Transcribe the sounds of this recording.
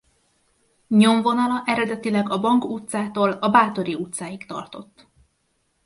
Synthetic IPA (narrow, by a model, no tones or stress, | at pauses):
ɲo̞ɱvo̞nɒlɒʔɛɾɛd̪ɛt̪ilɛɡɒbɒŋkut̪saːt̪oːlɒbaːt̪o̞ɾiut̪saːjikt̪ɒ̰rt̪o̞t̪ː